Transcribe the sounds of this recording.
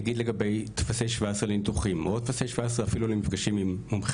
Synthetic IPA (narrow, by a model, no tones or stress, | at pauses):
ɡid̪leɡabe̞jt̪fase̞jʃvaesʁelint̪uχimʔot̪fasejʃvaesʁeafilulemifɡaʃimimːumχ